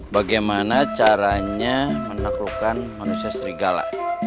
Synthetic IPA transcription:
baɡajmanat͡ʃaɾaɲamənaklukanmanusiasəɾiɡala̰

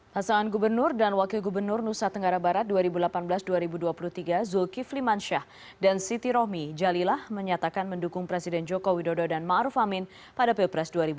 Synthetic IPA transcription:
pasaŋanɡubərnʊrdanwakɪlɡubərnʊrnusat̪əŋɡaɾabaɾat̪̚duaɾibulapanbəlasduaɾibuduapuluht̪iɡazulkiflimanʃah | dansit̪iɾɔhmid͡ʒalilahməɲat̪akanməndukʊŋpɾesidɛnd͡ʒɔkowidododanmaʔɾufamɪn | padapilpɾɛsduaɾibu

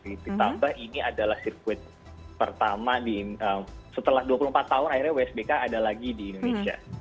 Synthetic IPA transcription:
it̪ut̪ambahiniʔadalahsirkuɪt̪̚ | pərt̪amadinəmsət̪əlahduapuluhmpat̪ːaɦʊnairɲaweɛsbekaːdalaɡidiːndonesia̰

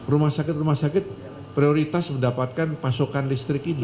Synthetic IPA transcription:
rumahsakɪt̪̚rɾumahsakɪt̪̚ | pɾioɾit̪asməndapat̪̚kanpasokanlist̪ɾɪkid

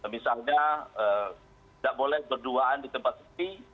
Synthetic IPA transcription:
misalɲaə | daʔbolɛhbərduaandit̪əmpat̪sə̥t̪i

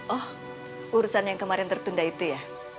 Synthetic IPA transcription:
ʔɔh | ʔuɾusanjaŋkəmaɾɪnt̪ərt̪undait̪uja

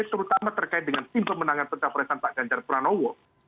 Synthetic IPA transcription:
t̪əɾut̪amat̪ərkaɪt̪̚dəŋant̪impəmənaŋanpətapəɾat̪anpaʔɡ̥aɲd͡ʒarpɾanowo

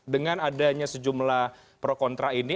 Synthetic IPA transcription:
dəŋanadaɲasəd͡ʒumlah | pɾokɔnt̪ɾaini

